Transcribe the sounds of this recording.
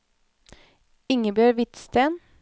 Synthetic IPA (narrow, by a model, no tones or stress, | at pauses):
ɪŋəbjøːɾʋɪt̪st̪eːn